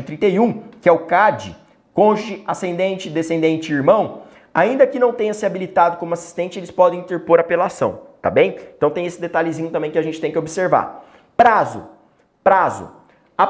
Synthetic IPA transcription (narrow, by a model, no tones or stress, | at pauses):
t̪ɾĩnt̪ejũkɪɛʊkad͡ʒɪ̰ | kõʒɪasẽnd̪ẽnt͡ʃɪd̪esẽnd̪ẽnt͡ʃɪiɾmɐ̃w̃ | aĩnd̪ɐkɪnɐ̃w̃t̪ẽɲɐsɪabilit̪ad̪ʊkõmʊasi̥st̪ẽnt͡ʃɪelɪspɔd̪ẽj̃ĩnt̪eɾpoɾapelasɐ̰̃w̃t̪a̰bẽj̃ẽnt̪ɐ̃w̃t̪ẽj̃esɪd̪et̪alɪzĩɲʊt̪ɐ̃bẽj̃kɪaʒẽnt͡ʃɪt̪ẽj̃kʲɪobɪseɾva̰ | pɾazʊ̰ | pɾazʊ̰ | a